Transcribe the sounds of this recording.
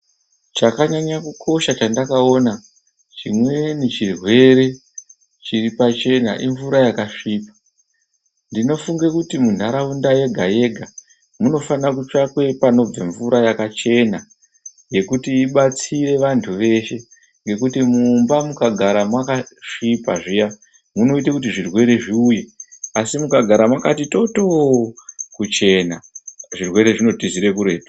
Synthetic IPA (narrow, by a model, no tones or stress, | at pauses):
t͡ʃakaɲaɲakukʰo̞ʃat͡ʃandakao̞na | t͡ʃimwe̞net͡ʃirwe̞ɾe̞ | t͡ʃiripat͡ʃe̞na̰ʔiɱvuɾajakaʂiːpḁ | ndino̞fuŋɡekutimundʱaɾaundaje̞ɡʱaje̞ɡʱa | muno̞fanak̬ut͡ʂakwe̞pano̞b͡vaɱvuɾajakat͡ʃe̞na | je̞kutiːɓat͡siɾe̞ʋantʰuʋe̞ʃe̞ | ŋɡe̞kutimumbamukaɡʱaɾamwakaʂipaʐija | muno̞itakut̬iʐirwe̞ɾe̞ʐiujeasimukaɡʱaɾamwakatito̞to | kut͡ʃe̞na̰ʐirwe̞ɾe̞ʐino̞tiziɾe̞k̬uɾe̞ːtwḁ